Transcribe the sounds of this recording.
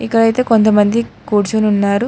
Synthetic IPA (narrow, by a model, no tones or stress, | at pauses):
ikːɐɽɐjt̪e̞ːko̞nt̪̬ɐmɐnd̪ikuːɾt͡ʃuːnunːaːɾu